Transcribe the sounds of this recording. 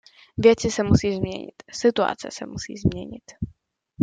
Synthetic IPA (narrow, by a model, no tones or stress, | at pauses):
vjɛt͡sɪsɛmusiːzmɲɛ̰ɲɪ̰t̪sɪt̪ua̰t͡sɛ̰sɛmusḭːzmɲɛɲɪt̪